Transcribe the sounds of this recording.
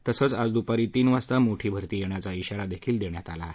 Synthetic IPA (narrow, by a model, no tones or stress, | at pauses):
t̪əsət͡sad͡zd̪upaɾiːt̪iːnʋast̪amoʈʰiːbʱəɾt̪iːjeɳ̃jat͡saiɕaɾad̪ekʰiːld̪eɳjat̪ala